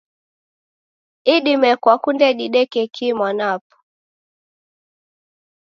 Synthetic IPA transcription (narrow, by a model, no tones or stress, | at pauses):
iɗimɛkwakundɛɗiɗɛkɛkʰimwanapɔ̥